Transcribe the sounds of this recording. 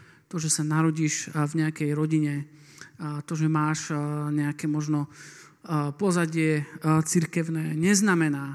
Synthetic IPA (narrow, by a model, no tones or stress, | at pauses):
t̪ɔʒɛsanaɾɔɟiːʃvɲɛakɛjɾɔɟiɲɛ | t̪ɔʒɛmaːʃɲɛakɛmɔʒnɔ | pɔzaɟɪɛt͡siɾkɛʊnɛːɲɛznamɛnaː